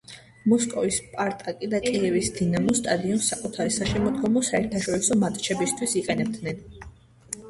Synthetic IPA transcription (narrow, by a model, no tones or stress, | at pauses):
mɔskʼɔvispʼaɾt̪ʼakʼid̪akʼiɛvisd̪inamɔst̪ʼad̪iɔnsakʼut̪ʰaɾɛsaʃɛmɔd̪ɡɔmɔsaɛɾt̪ʰaʃɔɾisɔmat̪ʼt͡ʃʰɛbist̪ʰwisiqʼɛnɛb̚d̪nɛn